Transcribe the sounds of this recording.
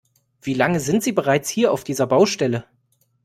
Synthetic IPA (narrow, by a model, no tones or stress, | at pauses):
v̥iːlaŋəzɪntz̥iːbəʁaɪt͡shiːɐʔaʊfd̥iːzɐbaʊʃtɛlə